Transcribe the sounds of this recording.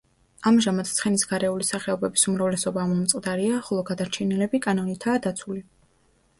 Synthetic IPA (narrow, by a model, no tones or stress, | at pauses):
amʒamat̪t̪sʰχɛnisɡaɾɛulisaχɛɔbɛbisumɾavlɛsɔbaːmɔmt̪sʼqʼd̪aɾiaχɔlˠɔɡad̪aɾt͡ʃʰɛnilɛbikʼanɔnit̪ʰaːd̪at̪sʰuli